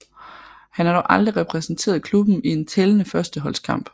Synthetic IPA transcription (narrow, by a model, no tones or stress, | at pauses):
hænæɐɾɒʊʔɑ̈ld̥ʁiʁɛpʰʁɛsn̩t͡sʰe̝̰ːɐðˠkʰlub̥m̩ie̝nt͡sʰelənəfɶɐsd̥əɦɒ̽lskʰɑ̈m̰b̥